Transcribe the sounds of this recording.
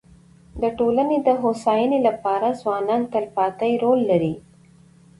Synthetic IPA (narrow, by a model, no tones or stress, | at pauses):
d̪əʈolaned̪əɦosɑjənelapɑɾazwɑnɑnt̪əlpɑt̪əjɾolːaɾi